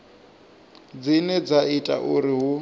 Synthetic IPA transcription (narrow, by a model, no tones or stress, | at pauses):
d͡zinɛd͡zaitʼa̰ʔuɾiɦu